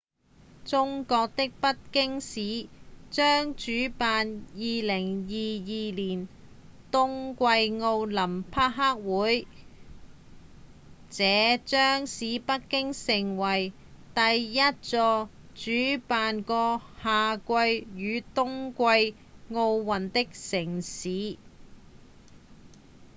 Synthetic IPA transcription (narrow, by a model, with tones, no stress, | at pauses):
t͡sʊ˥ŋkɔː˧k̚t̪ɪ˥k̚pɐ˥t̚kɪ˥ŋsiː˨˥t͡ʃœː˥ŋt͡ʃyː˨˥paː˨njiː˨lɪ˨˩ŋjiː˨jiː˨liː˨˩n | t̪ʊ˥ŋkʷɐ˧jŋo˧wlɐ˨˩mpʰaː˥k̚ɦaː˥k̚wuː˨˥j | t͡sɛː˨˧t͡ʃœː˥ŋsiː˨˥pɐ˥t̚kɪ˥ŋsɪ˨˩ŋwɐ˨˩j | t̪ɐ˨jːɐ˥t̚t͡sɔː˧ | t͡ʃyː˨˥paː˨nkɔː˧haː˨kʷɐ˧jːyː˨˧t̪ʊ˥ŋkʷɐ˧j | ŋo˧wwɐ˨nt̪ɪ˥k̚sɪ˨˩ŋsiː˨˧˥